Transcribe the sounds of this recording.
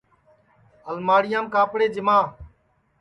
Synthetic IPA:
əlmaːɽɪjãːmkaːpɽeːd͡ʒɪmãː

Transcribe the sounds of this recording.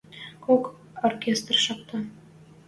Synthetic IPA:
kok | orkʲest̪rʃɑq̚t̪ɤ

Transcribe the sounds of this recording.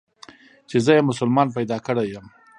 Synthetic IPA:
t͡ʃezəjemʊs̬ʊlmɑnp̬ajd̪ɑkəɽajəm

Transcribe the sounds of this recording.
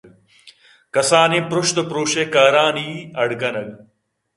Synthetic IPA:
kɐsaːnepɾoʃt̪ɐpɾoːɕekaːɾaːniːɐɽkɐnɐɡ

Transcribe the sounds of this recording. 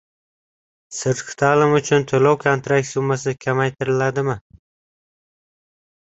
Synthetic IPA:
sɪɾt̪qt̪ʰalɪmʊt͡ʃʰʊnt̪ʰʊlɒwkʰant̪ɾak̪̚ʲsʊmːasɪkʲʰamajt̪ʰɪɾɪlad̪ɪmɪ

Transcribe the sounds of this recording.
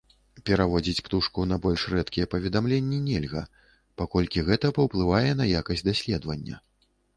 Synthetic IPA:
pʲɛɾavɔd͡zʲit͡sʲpt̪uʂkunɐbɔlʲʂrɛt̪kʲijɛpɐvʲɛd̪amlʲenʲːinʲɛlʲɣɐ | pakɔlʲkʲiɣɛt̪ɐpɐwplˠɨvajɛnɐjakɐsʲtʲd̪asʲlʲɛd̪vɐnʲːɐ̰

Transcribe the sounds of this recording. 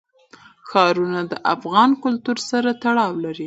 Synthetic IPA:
xɑɾunad̪əʔafɣɑnkʊlt̪uɾsaɾat̪aɽɑwlaɾi

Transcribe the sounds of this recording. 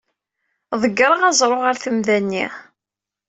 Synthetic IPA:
ðˤəɡːɾˤəʁæzˤɾˤoʁəɾθəmðænːḭ

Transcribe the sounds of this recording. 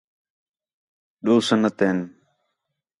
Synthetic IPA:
ɗoːsənət̪eːn

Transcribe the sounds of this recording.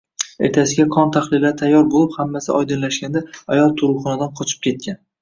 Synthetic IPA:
e̞̰ɾt̪ʰasɪɡʲakʰɒnt̪ʰaχlɪlːaɾt̪ʰajːɒɾbolˠɪphamːasɪʔɒjd̪ɨnlaʃɡʲand̪aajɒlˠt̪ʰʊɾʊχɒnad̪anqʰɒt͡ʃʰɪ̥p̚kʲʰe̞t̪̚kʲan

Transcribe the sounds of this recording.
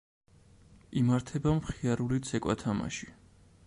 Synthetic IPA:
imaɾt̪ʰɛbamχiaɾulit̪sʰɛkʼwa̰t̪ʰama̰ʃi̥

